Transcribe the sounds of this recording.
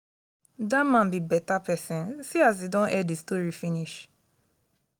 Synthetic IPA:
damãnbibɛtapɛsɛ̃nsias̬idɔ̃nʔɛdistoɹifĩniʃ

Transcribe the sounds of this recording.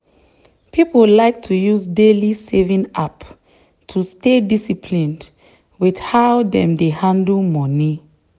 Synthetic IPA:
pʰipolaɪk̚tʰujuzdelisevĩna̰p | tʰustedisipʰlĩnd | wið̥hawdɛ̃mdehãndəlmɔni

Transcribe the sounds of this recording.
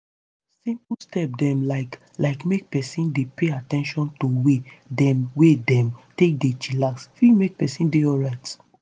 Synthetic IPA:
sĩmpstɛp̚dɛ̃mlaɪk | laɪkmek̚pɛsĩndepeatɛ̃nʃɔ̃ntowedɛ̃mwedɛ̃mtek̚det͡ʃilaksfimek̚pɛsĩndeɔlɹaɪt

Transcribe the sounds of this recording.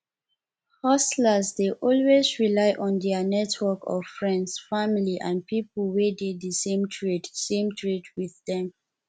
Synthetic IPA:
hɔsləzdeʔɔlwezɹilaɪʔɔ̃ndɛənɛtʰwɔkɔ̰v̥fɹɛ̃ndsfamiliʔã̰n̚pʰipəlwededdəsẽmtʰɹitsẽmtʰɹitʰwiððɛ̃m

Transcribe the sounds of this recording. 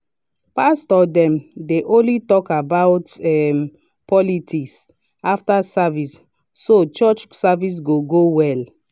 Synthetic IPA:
pastɔdɛ̃mdeʔõnlitɔkabaʊtɛm | pʰɔlitʰiks | aftasavis | sot͡ʃɔt͡ʃsavis̬ɡoɡowɛl

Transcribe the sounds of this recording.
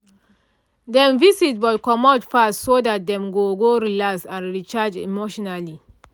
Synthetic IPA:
dɛ̃mvisit̚bɔtkɔmɔdfassodat̚dɛ̃mɡoɡoɾilaksãnɹit͡ʃad͡ʒḭmoʃɔnali

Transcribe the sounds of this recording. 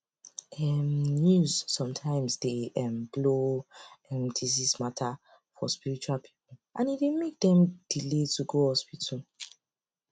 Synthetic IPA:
ɛmnjuzsɔ̃mtʰãɪ̃msdeɛ̃mblo | ɛmdʰizismatʰa | fɔ̰spiɹit͡ʃualpʰi̥pul̩ʔãnidemek̚dɛ̃md̥iletʰuɡohɔspitʰu

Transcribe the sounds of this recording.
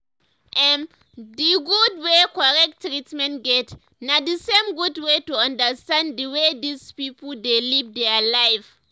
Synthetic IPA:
ʔɛ̃m | diɡudwekɔɹɛk̚tːɹitmɛ̃ntɡɛt | nadisẽmɡudwetuãndəstãnddiwedispipɔldelivdɛalajv

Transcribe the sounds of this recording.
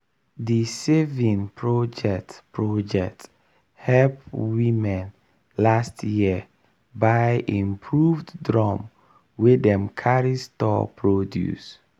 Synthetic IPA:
disevĩnpʰɹɔd͡ʒɛk̚tpɹɔd͡ʒɛk̚t | hɛlpwimɛ̃n | lastʰjiə | baɪʔĩmpʰɹuvddɹɔ̃m | wedɛ̃mkʰaɹistɔ̰pʰɹodjṵs

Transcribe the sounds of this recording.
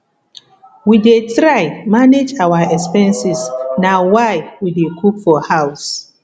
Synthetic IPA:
widetɹaɪmaned͡ʒawaɛkspɛ̃nsisnawajwidekʰukfɔhaʊs

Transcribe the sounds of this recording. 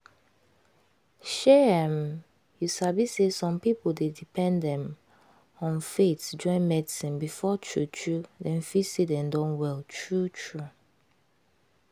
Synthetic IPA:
ʃɛɛ̃m | jusabisesɔ̃mpipoldedipʰɛ̃ndɛ̃m | ɔ̃nfetd͡ʒɔ̃ɪ̃nmɛdisĩnbifɔtʰɹṵtɹudɛ̃nfisidɛ̃ndɔ̃nwɛltʰɹutʰɹu

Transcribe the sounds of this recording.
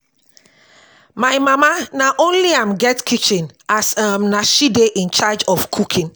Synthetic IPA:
maɪmamanaʔõnliaɪmɡɛtkʰit͡ʃĩnasamnaʃideʔĩnt͡ʃad͡ʒɔfkʰukʰĩn

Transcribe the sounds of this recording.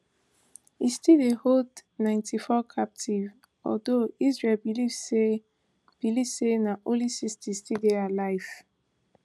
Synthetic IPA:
istideholdnãɪ̃ntʰifɔkʰap̚tʰiv | ɔ̰ldoizɹelbilive | b̥ilivsenaʔõlisistʰistidealaɪv̥

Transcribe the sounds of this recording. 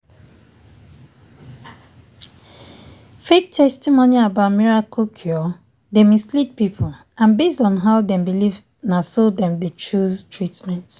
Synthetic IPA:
fek̚tʰɛstimoniabaʊtmiɹakokʰjɔ | demislit̚pipʰol | ãnbestɔ̃nɦaʊdɛ̃mbiliv | nasoldɛ̃mdet͡ʃuztʰɹitmɛ̃nt

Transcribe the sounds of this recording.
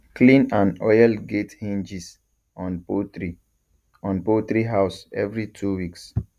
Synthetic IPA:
klĩnãnɔjalɡethẽnd͡ʒis | ɔ̃noi | ɔ̃npot̪ɹiɦaʊsɛvɹitʰuwiks

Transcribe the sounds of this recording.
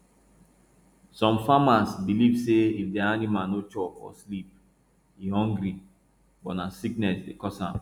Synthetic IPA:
sɔ̃mfamasbilivseifdɛanĩmãnot͡ʃɔfɔ̰slip̚ | ihɦɔ̃ŋɡɾi | bɔtnasiknɛsdekɔsã̰m

